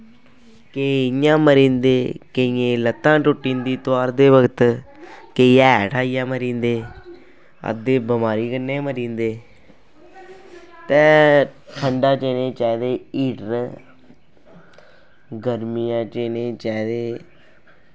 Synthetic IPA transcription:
keːɪjãːməɾĩːnd̪eːkəiːẽːlət̪ːãːʈʊʈːĩːnd̪iːt̪oaːɾd̪eːʋəɡət̪ | keːiɛːʈʰaːɪjãːməɾĩːnd̪eː | ə̰d̪eːbəmaːɾiːkənːeːməɾĩːnd̪eː | t̪ɛ̃ːʈʰəɳɖaːt͡ʃeːnẽːt͡ʃɛːd̪eːiːɖɾ | ɡəɾmijãːt͡ʃeːneːt͡ʃɛːd̪eː

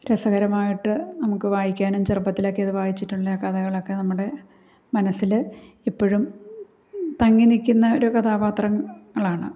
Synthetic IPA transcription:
ɾesɐɣɐɾɐmaːjiʈːɨnɐmukːɨʋaːjikʲːaːnumt͡ɕɐrpɐt̪ːilo̞kːeɐðɨʋaːjit͡ɕːiʈːuɭːɐkɐðɐɣɐɭo̞kːe̞nɐmːuɽe̞ | mɐnɐsːil | ipːoɻum | t̪ɐŋːinikʲːunːɐo̞ɾukɐt̪ʰaːpaːt̪rɐŋːɐɭaːɳɨ̰

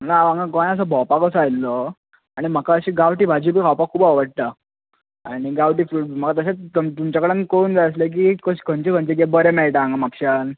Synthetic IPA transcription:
naʋãŋɡãkʋaj̃əs̬əbʱɔpakəsajlːɔ | aɽ̃im̤əkaəɕiːɡawʈiːbʱad͡ʑibikawpakʰːuːbəʋəɽ̚t̪ə | a̰ɽ̃iɡawʈiːfɾum̤əkat̪əɕet̪t̪umt͡ɕakəɽankond͡zaəslek̬ikəɕkə̃nt͡ɕekʰənt͡ɕeɡebəɾemɛɭʈaŋɡamapɕan

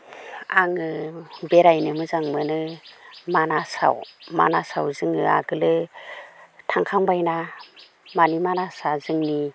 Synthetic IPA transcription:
a̰ŋɯbeɾajnɯmɯzaŋmɯnɯmanasa̰wma̰nasawzɯŋɯa̰ɡɯlɯ | tʰaŋkʰaŋbajna | manimanasazɯŋni

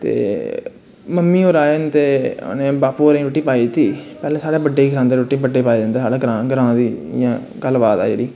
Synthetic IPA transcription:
t̪ḛː | məmːiːoːɾaːent̪eːnẽːbaːpuːɾẽːɾoːʈːiːpaːiːt̪iːpɛːlẽːsaːɽeːbəɖeːiːkʰɾãːnd̪eːɾoːʈːiːbəɖeːpaːid͡ʒãːnd̪eːɦaːleɡɾãːɡəɾãːd̪iːɪjãː | ɡəlːbaːt̪a̰ːd͡ʒḛːɽiː

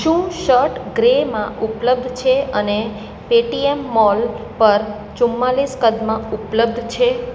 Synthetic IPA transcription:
ʃũʃəɾʈɡɾemã̰ʔʊpləb̚d̪ʱt͡ʃʰeəne | peʈiemːɔl | pəɾ | t͡ʃʊmːaliskəd̪mãʊpləb̚d̪ʱt͡ʃʰe

